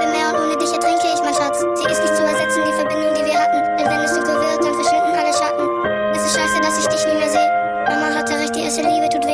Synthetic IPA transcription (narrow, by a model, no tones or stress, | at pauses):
ɛmeːɐʊntʔoːnədɪçətʁ̥ɪŋkəɪçmaɪnʃat͡sz̥iːʔɪstnɪçtt͡suɛɐzɛt͡sn̩diːfɛɐbɪndʊŋdiːviːɐɦatn̩vɛvɛnɛsz̥oːkʰovɪːd̥anfɛɐʃɪndn̩ʔaləʃaːtn̩ | ʔɛsɪstʃaɪsədasɪçd̥ɪçtmɪːmeːɐzeːə | ʔɔmaːnlatʰəʁɪçd̥iːʔɛstəliːbətʰuːtv̥eː